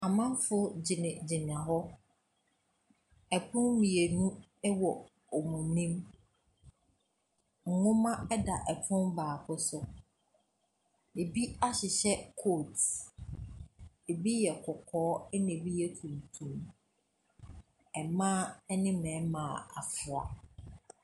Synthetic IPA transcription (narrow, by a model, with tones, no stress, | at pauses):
a˨mã˦m˦fʊ˦d͡ʑɪ˨nɪ̃˨d͡ʑɪ˨nɪ̃˨a˨ɦɔ˦ | ɛ˨pʰʊ̃˦nmĩ˨e˨nũ˦ | ɛ˦wɔ˨ | ɔ˨mũ˨m˦nĩ˦m | ŋ̩˨ŋʊ̃˦mã˦ɛ˦da˨ʔɛ˨pʰʊ̃˦nbaː˨kʰʊ˦sʊ˨ | e˨bi˦a˦ɕɪ˨ɕɛ˦kʰo˦˨t | e˨bi˦jɛ˨kʰʊ˨kʰɔː˨˦ɛ˦nẽ˨bi˦jɛ˦tʰũ˨m˨tʰũ˨m | ɛ˨mã˦ɛ˦nɪ̃˦mɛ̃˨˦mã˨a˨fʊ˨a̰˨